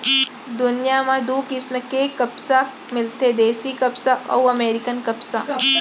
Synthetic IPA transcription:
d̪ʊnɪjamãd̪uːkɪsmẽkekɐpsa | mɪlt̪ed̪eːsikɐpsaʔɔ̰wɐmeːɾɪkənkɐpsaː

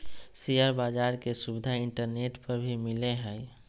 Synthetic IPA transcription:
sijəɾbaːd͡ʒaːɾkesubɪd̪ʱaɪ̃ɳʈəɾneːʈpəɾbʱimɪleɦɛj

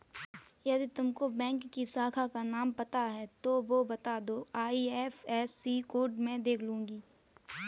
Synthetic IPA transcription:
jɐd̪it̪ʊmkobɛ̃ːŋkːisaːkʰakanaːmpɐt̪aɦɛt̪oʋobɐt̪aːd̪oːaːiːɛːfɛːsiːkoːɾʈmẽd̪eːkʰlũːŋɡiː

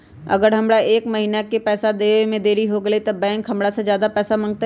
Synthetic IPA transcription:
ɐ̰ɡəɾɦɐmɽaʔeːkmɐɦiːnakepɛːsad̪eːmẽd̪eːɾiɦoɡɐlet̪ɐbɛ̃ːɪ̃ŋkʰɐmɽased͡ʒjaːd̪apɛːsamɐ̃ŋɡ̚t̪a

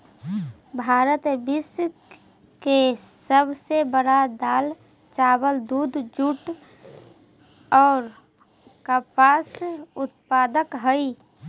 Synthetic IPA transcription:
bʱaːɾət̪bɪs | kesəbsebəɽad̪aːl | t͡ʃaːbəld̪uːd̪d͡ʒuʈ | ɔːɾ | kəpaːsʊt̪̚paːd̪əkɦəi

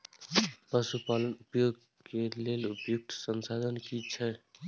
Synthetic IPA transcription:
pəsupalənupjoɡ | kelelupjuk̚t̪sənsad̪ʱənkit͡ʃʰɛ

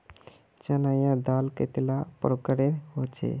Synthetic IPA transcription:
t͡ʃənajãd̪alkḛt̪ilapɾokəɾeɾɦot͡ʃʰḛ

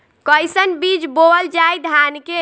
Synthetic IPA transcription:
kəjsənbid͡ʒboəld͡ʒajd̪ʱanke

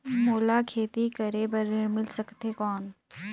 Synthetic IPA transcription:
moːlakʰeːt̪ikɐɾebɐɾeɾmɪlsɐkt̪ekɔːn

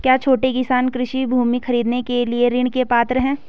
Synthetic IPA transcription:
kjaːt͡ʃʰoːʈekɪsaːnkɾɪʃibʱuːmixɐɾiːd̪nekelieɾɪɳ̃kepaːt̪ɾəɦɛ̃ː

